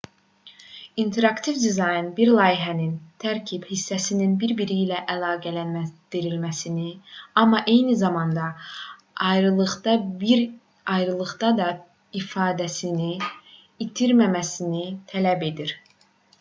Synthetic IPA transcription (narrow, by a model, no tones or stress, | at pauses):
int̪ʰe̞ɾɑkt̪ʰivd̪izɑjɯnbiɾlˠɑːjiɦænint̪ʰæɾcʰib̥hisːæsininbiɾbiɾilæʔælˠɑːɡælænmæd̪̥iɾilmæsiniɑmːɑʔe̞jnizɑmɑnd̪ɑ | ɑjɾɯlˠɯχd̪ɑbiɾ | ɑjɾɯlˠɯɣd̪ɑd̪ɑ | ifɑːd̪æsini | it̪ʰiɾmæmæsinit̪ʰælæbe̞d̪iɾ